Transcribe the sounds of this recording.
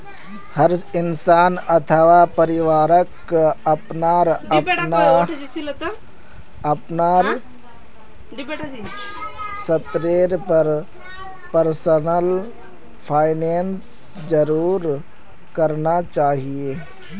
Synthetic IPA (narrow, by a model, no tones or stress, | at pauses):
hɐɾɪnsaːnɐt̪ʰəʋapɐɾɪʋaːɾək | ɐpnaːɾɐna | ɐpnaːɾ | sɐt̪ɾeːɾpɐɾ | pəɾsənəl | pʰaːɪneːns | d͡ʒɐɾuːɾ | kɐɾnat͡ʃaːɦieː